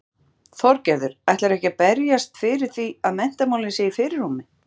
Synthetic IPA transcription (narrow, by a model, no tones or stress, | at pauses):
θɔɾcɛɾðʏɾ̥ajht̪laɾɛhcapɛɾjast̪fɪɾɪɾ̥θiaðmɛn̥t̪amawlɪnseːjfɪɾɪɾ̥umːɪ